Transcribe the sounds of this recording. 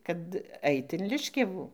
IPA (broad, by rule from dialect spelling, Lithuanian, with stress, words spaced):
ˈkɐt ˈɐɪt ɪn ˈlʲɪʃʲkʲɛʋuː